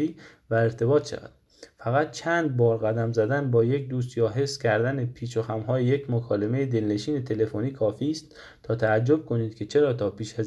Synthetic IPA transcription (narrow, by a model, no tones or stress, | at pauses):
iː | væeɾt̪ʰe̞bɒːt̪ʃæ̰væ̰d̪̥ | fæɣæt̪̚t͡ʃʰæːnd̪̚bɒːɾɣæd̪æmzæd̪ænbɒːjekd̪uːst̪jɒːɦe̞sːcʲʰæɾd̪ænepʰiːt͡ʃoxæmɦɒːjeje̞cmokʰɒːle̞me̞jed̪e̞lne̞ʃiːne̞t̪ʰe̞le̞foniːkʰɒːfiːst̪ | t̪ʰɒːt̪ʰææd͡ʒːo̞b̥̚kʰo̞niːd̪̥cʰe̞t͡ʃʰe̞ɾɒːt̪ʰɒːpiːʃæz